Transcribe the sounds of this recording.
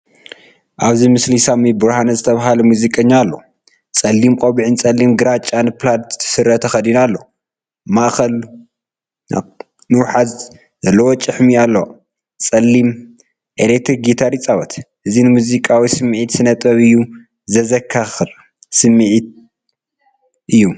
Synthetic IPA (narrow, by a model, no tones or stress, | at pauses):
ʔaβzimɨslisamibɨɾhanɐzɨt̪ʰɐβaɦalɐmuzikʼɐɲːalːo̰ | t͡sʼɐlːimkʼoβiʕɨnt͡sʼɐlːimɡɨɾat͡ʃʼːanɨplant̪t̪ʰɨ̥sɨɾːɐt̪ʰɐxɐd̪inalːo̞ | maʔxɐl | nɨwħaz | zɐlːɐwot͡ʃʼɨħmialːo | t͡sʼɐlːim | ʔelet̪ʰɾiɡit̪ʰaɾit͡sʼawɐt̪ʰʔɨzinɨmuzikʼawisɨmɨʕit̪sɨnɐt̪ʼɐβɨjːu | zɐzɐkʰːaxɨl | sɨmːɨʕit̪̚ | ʔɨjːu